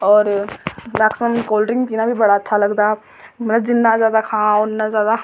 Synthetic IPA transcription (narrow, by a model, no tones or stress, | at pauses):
ɔːɾnaksəmkoːlɾɪ̃ŋɡkiːnaːbʱibəɽaətːʃʰaləɡd̪aː | məɐt̪ləbd͡ʒɪnːazjaːd̪akʰãːʊnːazjaːd̪a